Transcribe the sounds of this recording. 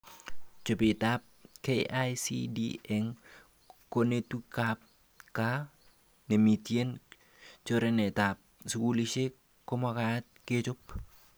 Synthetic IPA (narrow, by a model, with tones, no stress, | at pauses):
t͡ʃo˨pɪ˨ta˦p̚keʔajsḭdḭɛ˨ŋ | ko˦ne˦tu˦kap̚ | ka˦ | ne˨mi˨tje˦n | t͡ʃo˦ɾe˦ne˨ta˨p̚su˨ku˦li˦t͡ʃe˦ | ko˦ma˦ka˨a˦t̚ke˦t͡ʃʊ˦p̚